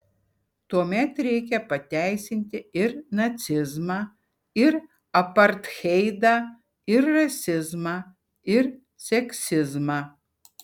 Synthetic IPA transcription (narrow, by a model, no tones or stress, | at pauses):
t̪uɔmʲɛt̪ɾʲɛɪkʲɛpɐt̪ʲæɪsʲɪnʲt̪ʲɪɪɾnɐsʲɪzmɑː | ɪɾ | ɐpɐɾt̪xʲɛɪd̪ɐ | ɪɾːɐsʲɪzmɑː | ɪɾ | sʲɛksʲɪzmɑ